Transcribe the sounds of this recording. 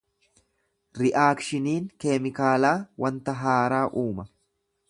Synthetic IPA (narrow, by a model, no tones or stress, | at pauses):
ɾɪʔaːkʃɪniːŋkeːmɪkaːlaːwʔɐnt̪ɐɦaːɾaːʔuːmɐ